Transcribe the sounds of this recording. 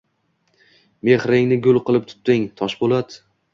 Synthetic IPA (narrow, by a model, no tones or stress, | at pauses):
me̞χɾɪŋnɪɡʲʊlˠqʰɨlˠɪp̚t̪ʰʊ̥t̪ːɪŋt̪ʰɒʃbolad̪